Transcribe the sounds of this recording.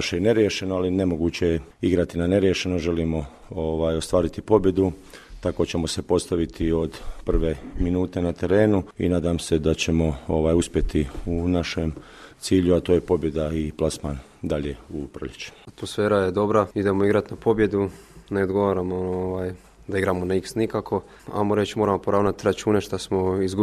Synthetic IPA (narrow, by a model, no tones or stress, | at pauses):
ʃeine̞ɾjeʃe̞noaline̞mo̞ɡuːt͡ɕeiɡɾat̪inane̞ɾjeʃe̞no̞ʒe̞limo̞ | oʋaːjo̞st̪ʋaːɾit̪ipo̞bje̞d̪u | t̪ako̞t͡ɕe̞mo̞se̞po̞st̪aʋit̪ʰio̞d̪pr̩ʋe̞minuːt̪e̞nat̪e̞ɾe̞ːnuḭnaːd̪amse̞d̪at͡ɕe̞mo̞oʋaːjuspje̞t̪iunaʃe̞m | t̪siːʎuat̪o̞ːje̞po̞bje̞d̪aiplˠasman | d̪aʎe̞upɾoʎet͡ɕu̥at̪mosfe̞ːɾajed̪o̞bɾaid̪e̞mo̞iɡɾat̪napo̞bje̞d̪une̞od̪ɡo̞ʋaɾamooʋaːj | d̪aiɡɾamo̞naiksnikakʰo̞ | a̰moɾe̞t͡ɕimo̞ːɾamo̞poɾaːʋnat̪ɾat͡ʃuːne̞ʃt̪asmoizɡu